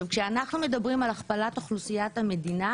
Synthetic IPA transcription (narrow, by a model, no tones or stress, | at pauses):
kʃeanaχnume̞dabʁimalaχpalat̪aχlusijathame̞d̪ina